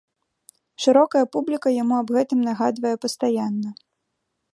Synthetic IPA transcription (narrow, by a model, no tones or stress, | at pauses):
ʂɨɾɔkɐjɐpublʲikɐjamuɐbɣɛt̪ɨmnaɣad̪vɐjɛpɐst̪ajanːɐ